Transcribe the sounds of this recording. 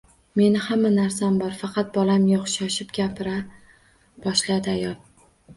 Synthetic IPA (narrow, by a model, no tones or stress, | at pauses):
me̞nɪhamːanaɾsambɒɾfɑqʰɑt̪̚bɒlamjoχʃaʃɪpɡʲapʰɪɾa | b̥ɒʃlad̪ɪajɒlˠ